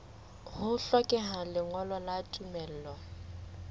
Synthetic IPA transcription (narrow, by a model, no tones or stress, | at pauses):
hʊɬɔkʼɛɦalɪŋwɔlɔlatʼumɛl̩ːlɔ